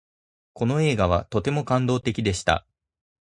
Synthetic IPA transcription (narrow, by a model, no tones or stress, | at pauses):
ko̞no̞e̞ːɡaβ̞at̪o̞t̪e̞mo̞kãnd̪o̞ːt̪e̞kʲid̪e̞ɕi̥t̪a̰